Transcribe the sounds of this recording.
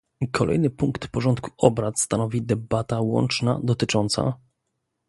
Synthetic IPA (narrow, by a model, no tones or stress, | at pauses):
kʰɔlʔɛ̰jnɘpuŋkt̪pɔʐɔnt̪ku̥ɔbɾat̪st̪anɔvʲid̪ɛbat̪awɔ̰nt͡ʂna̰d̪ɔt̪ɘt͡ʂɔnt̪sa̰